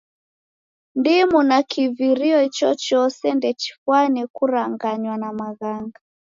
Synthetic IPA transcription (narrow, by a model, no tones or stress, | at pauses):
ndimunakiviɾiɔit͡ʃɔt͡ʃɔsɛndɛt͡ʃi̥fwanɛkuɾaŋɡaɲwanamaɣaŋɡa